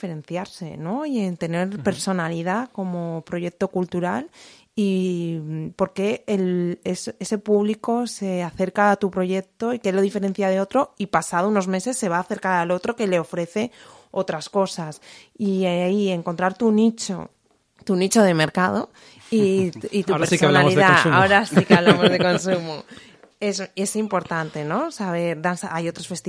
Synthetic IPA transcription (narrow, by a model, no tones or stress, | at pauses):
feɾẽ̞n̟θjaɾse̞̰no̞ient̪e̞ne̞ɾpe̞ɾso̞nalið̞ako̞mo̞pɾo̞ʝe̞k̚t̪o̞kult̪uɾa̰l | i | po̞ɾke̞elesese̞puβliko̞se̞aθe̞ɾkaːt̪upɾo̞ʝe̞k̚t̪o̞ikelːo̞ðife̞ɾe̞n̟θjað̞e̞o̞t̪ɾo̞ipasaðouno̞zme̞se̞sːe̞β̞aːθe̞ɾkaɾalo̞t̪ɾo̞ke̞le̞o̞fɾe̞θe̞ | o̞t̪ɾasko̞sasiieŋkont̪ɾaɾt̪unit͡ʃo̰ | t̪unit͡ʃo̞ð̞e̞me̞ɾkaðo̞ | iit̪upeɾssonaoiððaaoɾasikeaβlamozðeko̞nsumo | ese̞simpo̞ɾt̪ant̪eno̞saβ̞e̞ɾðansaajo̞t̪ɾosfe̞st̪i